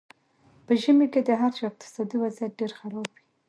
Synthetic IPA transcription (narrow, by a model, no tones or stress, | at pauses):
pəʒəmeked̪əɦaɾt͡ʃɑɪq̚t̪ɪ̥sɑd̪iwazjat̪̚ɖeɾxaɾɑbwi